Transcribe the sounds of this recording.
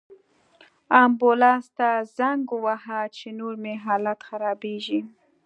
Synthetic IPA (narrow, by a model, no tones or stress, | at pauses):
ambolɑst̪azaŋɡʊwahat͡ʃenoɾmeɦɑlat̪xaɾɑbeʒi